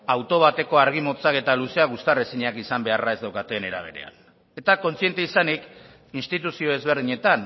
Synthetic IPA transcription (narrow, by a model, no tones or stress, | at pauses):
awt̪o̞β̞at̪e̞ko̞aɾɣimo̞t͡sake̞t̪aluse̞aɣ̞ust̪aresiɲakisambe̞arae̞zd̪awkat̪e̞ne̞ɾa̰β̞e̞̰ɾe̞̰a̰n | e̞t̪ako̞nt͡sie̞nt̪eisanik | inst̪it̪usio̞e̞zβe̞ɾð̞iɲe̞t̪an